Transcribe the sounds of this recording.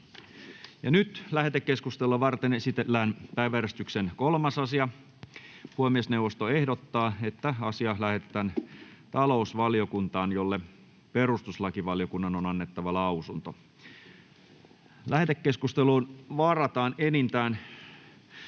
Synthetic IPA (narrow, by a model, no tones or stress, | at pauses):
jɑnyt̪læhet̪ekːe̞skust̪eluɑʋɑrt̪enesit̪elːæːnpæiʋæɾæst̪yksenkolmɑsɑsiɑ | huomiesneuwʋːost̪oehdot̪ːɑːet̪ːæɑsiɑlæhe̞t̪et̪ænt̪ɑlo̞usʋɑlijo̞kunt̪ɑːnjolːe | perust̪uslɑkiʋɑljo̞kunːɑnonɑnːet̪ːɑʋɑlɑusunt̪o | læhet̪ekːe̞skust̪eluːnʋɑːrɑt̪ɑːnenint̪æːn